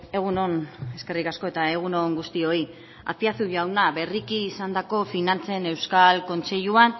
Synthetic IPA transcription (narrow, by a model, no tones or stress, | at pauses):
e̞ɣ̞uno̞ne̞ske̞rikasko̞e̞t̪ae̞ɣ̞uno̞ŋɡust̪io̞i | a̰piast̪uʝawnaβe̞rikiːsand̪ako̞finant͡se̞ne̞wskalko̞nt͡se̞ʎuan